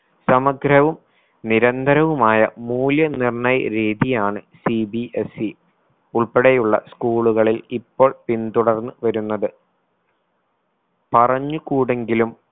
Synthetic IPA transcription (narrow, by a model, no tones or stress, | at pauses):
sɐmɐɡɾɐʋum | niɾɐnd̪ʱɐɾɐʋumaːjɐ̰muːljɐnirɳɐjɐɾeːd̪ʱijaːɳɨsibiʔesi | uɭpeɽejuɭːɐ̰skuːɭuɣɐɭilipːo̞ːɭpint̪uɽɐrnːɨʋɐɾunːɐðɨ | pɐrɐɲːukuːɽe̞ŋɡilum